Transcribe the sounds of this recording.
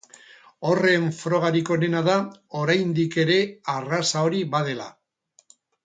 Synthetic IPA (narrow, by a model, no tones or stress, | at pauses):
o̞re̞ɱfɾo̞ɣ̞aɾiko̞ne̞naðao̞ɾajnd̪ike̞ɾe̞arasao̞ɾiβað̞e̞la̰